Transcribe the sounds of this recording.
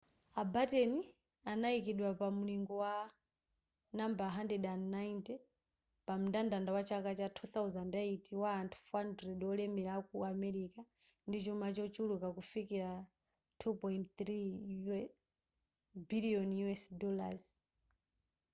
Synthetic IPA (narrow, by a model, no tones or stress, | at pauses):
abatɛni | anaikiɗwapamuliŋɡɔwa | nambaɦandɛɗannːaintɛ | pamudandandawat͡ʃʰakat͡ʃatʰuθawzandɛitʰiwaːntʰu̥fandɾɛdwɔlɛmilakuamɛɾika | ndit͡ʃumat͡ʃɔt͡ʃulukakufikiɾa | tʰupɔintt̪ɾi | biliɔnjuɛsdɔla̰z